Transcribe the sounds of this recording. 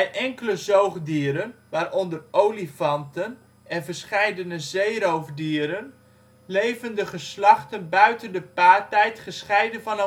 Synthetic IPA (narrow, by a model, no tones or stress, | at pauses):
ɛjʔɛŋkələzowχdiːɾənʋaːrʔɔndərʔowlifɑntən | ɛnvərsχɛjdənəzejɾowvdiːɾən | lejvəndəχəslɑχtənbœɥtəndəpaːrtɛjtχəsχɛjdənvɑn